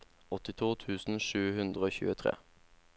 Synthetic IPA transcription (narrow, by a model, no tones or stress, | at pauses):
ɔt̪ɪt̪ʰuːt̪ʰʉːsn̩ʃʉːhʉnd̪ʁəoːçʉ̰ːət̪ʰʁḛː